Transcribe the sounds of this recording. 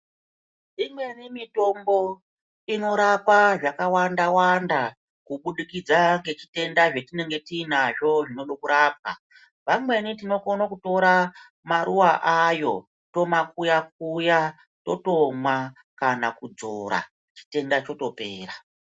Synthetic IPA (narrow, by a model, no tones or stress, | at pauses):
imwe̞nimito̞mbo̞ | ino̞ɾapaʐakawandawanda | kuɓuɗikid͡zaŋɡe̞t͡ʃi̥te̞ndaʐetine̞ŋɡe̞tiːnaʐo̞ʐino̞ɗokuɾaːp̚a̰ | ʋamwe̞nitino̞konokuto̞ɾa | maɾuwaʔajo̞̰ | to̞makujak̚uja | to̞to̞mwa | kanakud͡zoɾa̰ | t͡ʃi̥te̞ndat͡ʃo̞to̞pe̞ːra